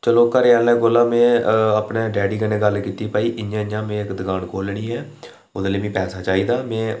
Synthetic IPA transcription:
t͡ʃəloːkəɾjaːlɛ̃ːɡolːãːmẽːəpneːɖɛːɖiːkəneːɡəlkiːt̪iːpaːiːʔɪɲãːɪãːmẽːɪkd̪əɡaːnkoːlɽiːɦɛː | ʊd̪ləːʋĩːpɛːsaːt͡ʃaːiːd̪aːmɛ̃ː

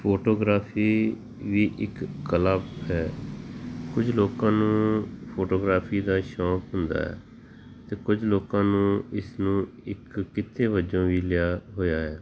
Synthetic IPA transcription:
pʰoːʈoːɡɾaːfʰiː | ʋiːʔɪkːələbɦɛː | kʊd͡ʒloːkãːnũːpʰoːʈoːɡɾaːpʰiːd̪aːʃɔ̃ːkɦʊnd̪a̰ːɦɛ̰ː | t̪eːkʊd͡ʒʱloːkãːnũːɪsnũː | ɪkːɪt̪ʰːeːbəd͡ʒõːʋiːlɪjaːɦoːjaːɦɛː

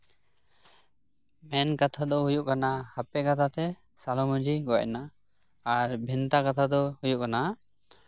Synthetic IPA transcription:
mɛnkat̪ʰad̪ɔɦujuʔkanahapɛkat̪ʰat̪ɛ | salɔmɔ̃d͡ʒʱiɡɔ̰ʔnaː | ɾbʱint̪akat̪ʰad̪ɔhujuʔkana

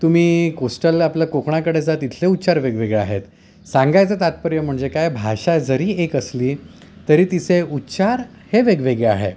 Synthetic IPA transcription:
t̪um̤iːkosʈəlapljakokɳakəɽed͡zat̪it̪ʰleutːɕaɾʋeɡʋeɡɭea̰ɦet̪ | sãŋɡajt͡sət̪at̪̚pəɾjəm̤əɳd͡ʑekajbʱaɕad͡zəɾiːekəsliː | t̪əɾiːt̪iseutːɕaɾ | heʋeɡʋeɡea̰ɦḛ

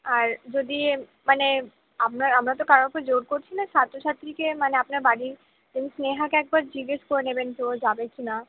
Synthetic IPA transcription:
aɾd͡ʒod̪i | mane | apnaɾamɾat̪okaɾonked͡ʑoɾkoɾt͡ʃʰinasat̪ɾot͡ʃʰat̪ɾikemaneapnaɾbaɽi | d̪emisneɦakeɛk̚baɾd͡ʑiɡeskoɾnebent̪od͡ʒabekina

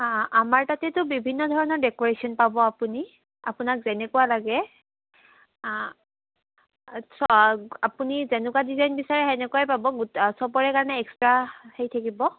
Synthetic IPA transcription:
ãamaɹtatɛtʊbibʱinːɔdʱɔɹɔnɔɹdɛkɔɹesiɔnpabɔapuni | a̰pʊnak̚zɛnɛkʊwalaɡɛ | sɔapunizɛnʊkadizajnbisaɹɛɛnɛkuajpabɔɡutsɔbɔɹɛkaɹɔnɛɛkstɹahejtʰakibɔ

